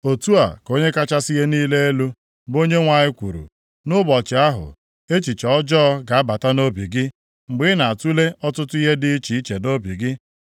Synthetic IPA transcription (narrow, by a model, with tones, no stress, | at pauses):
o˨tu˦a̰˨ko˦ɲe˦ka˦t͡ʃa˦sɪ˦ɦe˦niː˦le˦e˦lu˦ | bo˦ɲe˦ŋʷa˨ɲɪ˦kʷu˨ɾṵ˨ | nʊ˦bɔ˨t͡ʃɪ˨a˦ɦʊ̰˨ | e˦t͡ʃi˨t͡ʃɔ˦d͡ʒɔː˦ɡa˨a˦ba˨ta˦no˦bi˨ɡɪ˦ | ŋ͡m̩˨ɡ͡bɪ˦na˨a˨tu˦le˦ʔɔ˦tʊ˦tʊ˦i˦ɦe˦dɪ˦i˦t͡ʃi˨i˦t͡ʃe˨no˦bi˨ɡɪ˦